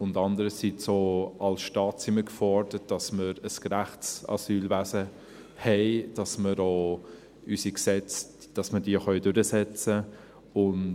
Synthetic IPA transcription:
ʊndɑndəɾəsit͡soːɑlsʃtɑːtiməkfɔɾd̥ət̚d̥ɑsməɾəskɾaχsɑ̰syːlvæsə | hɛɪd̥ɑsməɾoː | ysiksɛt͡s | d̥ɑsmədiəχœʏdʉɾəsɛt͡sə | ʊn

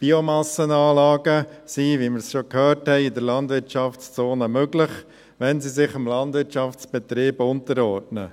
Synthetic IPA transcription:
b̥iomɑsənɑːlɑːɡəsiʋimɪɾsʃokhœːɾthɛɪid̪əɾlɑnd̪ʋɪɾtt͡ʃɑft͡st͡soːnəmøɡlɪχ | ʋɛnsisɪχɪmlɑnd̪ʋɪɾtt͡ʃɑft͡sb̥ɛt̪ɾiːbʊntəɾɔɾdnə̰

